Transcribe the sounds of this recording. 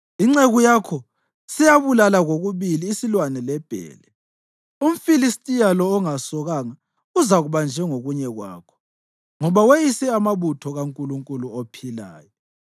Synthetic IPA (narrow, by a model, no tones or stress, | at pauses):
iŋ͡ǀeɣujakʰɔ | sɛjaβulalaɣoɣuβiliːsilwanɛlɛb̥ʱɛ̰ːlɛ | um̩filistʼijalɔːŋasɔɣaːŋa | uzaɣuβand͡ʒʱɛŋoɣuɲɛɣwa̰ːkʰɔ̥ | ŋɔβawejisɛamaβutʰɔɣaŋkʼuluŋkʼuluopʰila̰ːjɔ